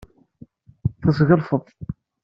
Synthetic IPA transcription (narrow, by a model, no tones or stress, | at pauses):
θəsɣəlfəðˤ